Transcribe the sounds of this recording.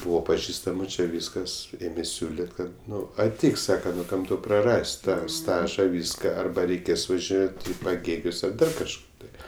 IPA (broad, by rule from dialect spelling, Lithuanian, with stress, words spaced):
ˈbuːʋoː pɐˈʒʲiːstɐmʊ t͡ʃʲɛ ˈʋʲiːskɐs ˈeːmʲeː ˈsʲuːlʲɪt ˈkɐt ˈnʊ ɐˈtʲɛɪk ˈsɑːkɐ ˈkɐm ˈtɐʊ prɐˈrɐsʲtʲ ˈtɑː ˈstɑːʒɐ ˈʋʲiːskɐ ˈɐrbɐ rʲɛɪˈkʲeːs ʋɐʒʲɪˈnʲeːt ɪ pɐˈɡʲeːɡʲʊs ɐr ˈdɐr kɐʃˈkʊr tɐɪ